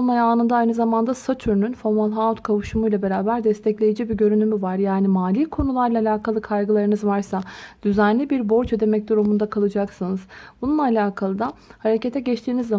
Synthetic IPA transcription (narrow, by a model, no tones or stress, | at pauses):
olˠmajaaːnɯnd̪aajnɯzamand̪asat̪ʰyɾnynfoɾmalˠɦaut̪kʰavuʃumujlˠabe̞ɾaːbæɾd̪ɛst̪ʰɛclʲe̞jid͡ʒibiɟø̞ɾynʰymyvaɾjaːnimaːlʲiːkʰo̞nulˠaɾlˠaːlʲaːkʰalˠɯkʰajɡɯlˠaɾɯnɯzvaɾsad̪̥yzænlʲibiɾbo̞ɾt͡ʃe̞d̪e̞mɛc̚d̪uɾumund̪akʰalˠɯd͡ʒaksɯnɯzbununːˠaalʲaːkʰalˠɯd̪ahaɾecet̪ʰɛɟɛt͡ʃt̪ʰiːnizːa